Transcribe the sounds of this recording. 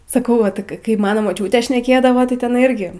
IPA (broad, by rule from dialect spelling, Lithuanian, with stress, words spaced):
sɐˈkɐʊ ˈʋɐ ˈtɨk kɐɪ kɐɪ ˈmɑːnoː moːˈt͡ʃʲuːtʲeː ʃʲnʲɛˈkʲeːdɐʋoː tɐɪ tʲɛˈnɐɪ ˈɪrʲɡʲɪ